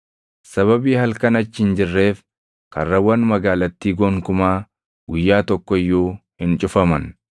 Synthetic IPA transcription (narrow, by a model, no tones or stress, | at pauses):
sɐβɐbiːhɐlkɐnɐt͡ʃːɪɪnd͡ʒɪrːe̞ːf | kɐ̰rːɐwɐnmɐɡaːlɐt̪ːiːɡoŋkʊmaː | ɡ̥ʊjːaːt̪ɔkːɔɪjːoːhɪnt͡ʃʼʊfɐmɐn